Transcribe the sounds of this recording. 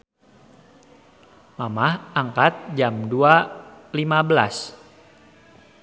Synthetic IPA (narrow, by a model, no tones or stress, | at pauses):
mamahʔaŋkat̪̚d͡ʒamdualimabəlas